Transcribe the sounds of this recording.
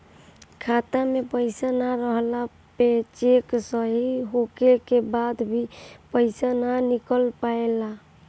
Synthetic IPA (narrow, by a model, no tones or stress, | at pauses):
kʰat̪amepəɪsanaɾəɦla | pet͡ʃeksəɦiɦokekebad̪bʱipəɪsananikəlpaela